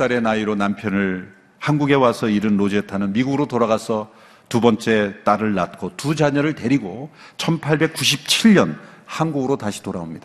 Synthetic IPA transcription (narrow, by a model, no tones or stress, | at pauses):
s͈aɾe̞naiɾonampʰjʌnɯɭ | hanɡuɡe̞wasʰʌiɾɯnːod͡ʑetʰanɯnmiɡuɡɯɾotoɾaɣasʰʌ | tubʌnt͡ɕ͈e̞t͈aɾɯɭːat̚k͈otud͡ʑaɲʌɾɯɭte̞ɾiɡot͡ɕʰʌnpʰaɭbe̞k͈uɕ̬ʰip̚t͡ɕʰiʎɲʌnhanɡuɡɯɾotaɕʰi̥toɾaomɲid̥a